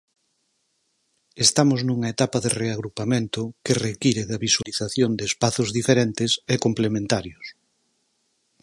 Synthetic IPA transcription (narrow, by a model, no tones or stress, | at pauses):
est̪amoznuŋaet̪apaðereaɣɾupamẽnt̪ʊkerekiɾeðɐβiswaliθaθjond̪eːspaθʊzðifeɾent̪ɪsekomplemẽnt̪aɾjos